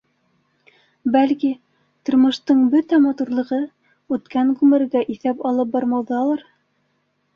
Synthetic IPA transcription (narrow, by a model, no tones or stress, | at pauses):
bælki | t̪ŏɾmɤ̆ʃt̪ɤɴbɵt̪æmɑt̪uɾlˠɤ̆ʁɤ | ʉt̪kæŋɡʉmɘ̆ɾɡæʔiθæpɑlˠɤp̚bɑɾmɑwðɑlˠɑɾ